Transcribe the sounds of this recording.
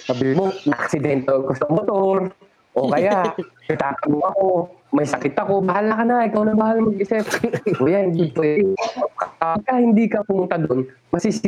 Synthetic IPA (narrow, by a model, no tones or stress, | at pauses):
mɐbɪlmonɐʔɐ̰ksɪd̪ɛnt̪okosɐmot̪oɾ | ʔokɐjaʔʔ | ɐt̪aːt̪ɐmoɐko̞mɐjsɐkɪt̪ːɐko̞bɐɦalakɐnaɪkawnɐbaːhalmɐɡɪsɛpojand̪ʊd̪̚t̪okkɐɐɡ̚kahɪnd̪iːkɐpʊmʊnt̪ad̪on | mɐsis